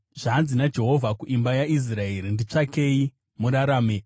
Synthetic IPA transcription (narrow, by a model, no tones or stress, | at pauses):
ʐ̥aːnzinad͡ʒe̞ɦo̞vʱakuʔimbajais̬rae̞ɾindit͡ʂake̞i | muɾaɾaːme